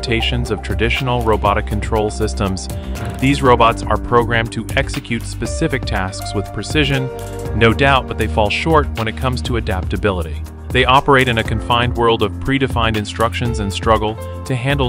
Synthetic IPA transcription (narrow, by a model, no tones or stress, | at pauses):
tʰeɪʃɨ̃nzʌv̥tʰɹ̥ɨdɪʃn̩l̩ˠɹoʊbɑɾɨkʰːn̩tʰɹ̥oʊlˠsɪstə̃mz̥ | ðizɹoʊbɑtsə̰˞pʰɹ̥oʊɡɹæ̃mtʰɨʔɛksɨkʰj̥ʉtspɨsɪfɨk̚tʰæskswəð̥pʰɹ̥ɨsɪʒɨ̃nː | oʊdaʊt̚b̥ʌt̪̚ðeɪfɔlˠʃɔɹt̚wə̃ɾ̃ɨt̚kʰʌ̃mz̥tʰəɨdæp̚tɨbɪlˠəɾi | ðeɪʔɑpə˞eɪɾɨ̃nɨkʰɨ̃ɱfãɪ̃nd̚wɜ˞lˠdʌv̥pʰɹ̥iɾɨfãɪ̃ndɨ̃nstɹ̥ʌkʃɨ̃nzɨ̃nstɹ̥ʌɡl̩ˠ | tʰɨɦæ̃ndˡl̩ˠ